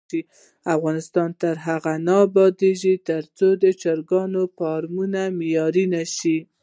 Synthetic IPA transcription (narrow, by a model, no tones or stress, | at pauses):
i | afɣɑnɪst̪ɑnt̪əɾɦaɣanɑbɑd̪eʒit̪əɾt͡sod̪ət͡ʃɑɾɡɑnopɑɾmunamɪjɑɾinaʃi